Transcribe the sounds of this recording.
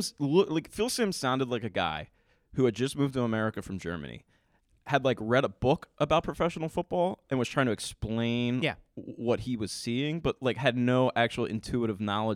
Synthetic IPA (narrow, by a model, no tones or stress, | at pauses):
zlʊlaɪkfɪlˠsɪ̃msãʊ̃ndɨdˡlaɪkɨɡa̰ɪ | hʉɨd̚d͡ʒʌsmʉvdtəəmɛɹɨkɨfɹʌ̃md͡ʒɜ̰˞mɨ̰nḭ | hɨdˡlaɪkɹɛɾəbʊkʔəbaʊt̚pʰɹ̥ɨfɛʃn̩l̩ˠfʊt̚b̥ɔlˠʔɨ̃nwʌz̥tʰɹ̥aɪɪ̃ŋtɨɨksplẽɪ̃njæwʌt̚hiwʌz̥siɪ̃ŋb̥ʌt̚laɪkhɨdⁿnoʊʔæk̚t͡ʃul̩ˠɪ̰̃ntʰʉəɾɨvnɑlˠə